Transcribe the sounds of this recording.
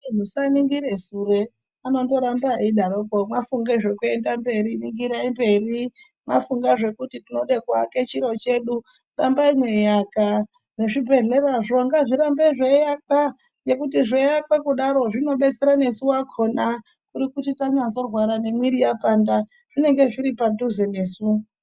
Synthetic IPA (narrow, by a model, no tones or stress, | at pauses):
musaniŋɡiɾesure̞ | ano̞ndo̞ɾambaiɗaɾokomafuŋɡeʐe̞kue̞ndambe̞ɾiniŋɡiɾaimbe̞ri | mafuŋɡaʐe̞kutitino̞ɗekwake̞t͡ʃiɾo̞t͡ʃe̞ɗu | rambaimwe̞jaka | ne̞ʐibʱe̞ɮe̞ɾaʐo̞ŋɡaʐiɾambeʐejaka | je̞kutiʐejakekuɗaɾo̞ʐino̞ɓe̞t͡seɾane̞suwakʰo̞na | kuɾikutitaɲazo̞rwaɾane̞mwiɾijapanda | ʐ̥ine̞ŋɡe̞ʐiɾipaduzene̞ːsu